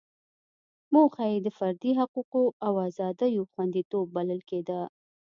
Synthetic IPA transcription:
moxajed̪əfaɾd̪iɦaquqoawazɑd̪ajoxwand̪it̪ob̚ːaləlked̪a

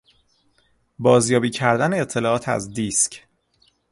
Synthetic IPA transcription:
bɒːzjɒːbiːcʰæɾd̪æneet̪ʰːe̞lɒːɒːt̪ʰæ̰zd̪iːscʰ

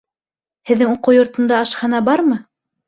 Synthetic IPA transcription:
hɘ̆ðːɘŋuquwjŏɾt̪ɤ̆nd̪ɑɑʃhɑnɑbɑɾmɤ

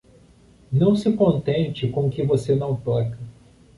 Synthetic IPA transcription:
nɐ̃w̃sɪkõnt̪ẽnt͡ʃɪkõkɪvosenɐ̃w̃t̪ɔkɐ

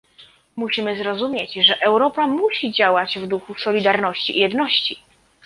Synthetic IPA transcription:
muɕimɘzɾɔzumʲjet͡ɕʐɛʔɛwɾɔpamuɕid͡ʑawad͡ʑvd̪uxusɔlʲid̪aɾnɔɕt͡ɕḭijɛd̪nɔɕt͡ɕi

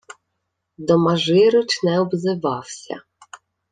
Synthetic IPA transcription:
d̪ɔmɐʒɪɾʊt͡ʃnɛɔbzɪʋɑwsʲɐ̰

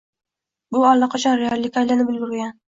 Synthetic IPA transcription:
bʊalˠːɑqʰɑt͡ʃʰanɾealʲːɪkʲajlanɪbɪlɡʲɪɾɪɡʲan

